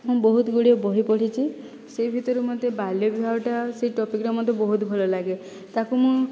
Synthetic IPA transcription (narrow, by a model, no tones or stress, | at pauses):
mũbɔɦut̪ɡuɽiobɔɦipɔʈʰit͡ʃʰi | sebʱit̪ɔɾumɔd̪ebalɔbibʱaʈaseiʈɔpikɾɔmɔt̪ebɔɦut̪bʱɔlɔlaɡe | t̪akumũ